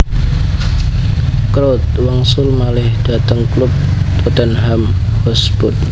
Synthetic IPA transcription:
kɾot̪̚waŋsʊlmalɪhd̪̥a̤t̪əŋklʊp̚t̪ut̪ənɦamhɔsb̥ʊt̪̚

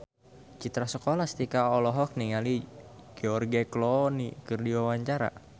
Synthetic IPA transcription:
t͡ʃit̪ɾasəkolast̪ikaɔlɔɦɔk̚niŋaliɡ̥ɛɔrɡeklɔnikɨrdiwawaɲt͡ʃaɾa̰

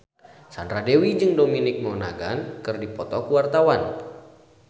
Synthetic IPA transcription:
sandɾadewid͡ʒɨŋdominɪk̚mɔna̰ɡankɨrdipɔt̪ɔkuwart̪awan

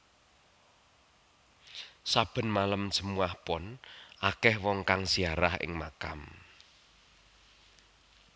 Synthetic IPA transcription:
sab̥ə̤nmaləmsə̤muahpɔnʔakɛhwɔŋkaŋsiaɾahɪ̰ŋma̰ka̰m

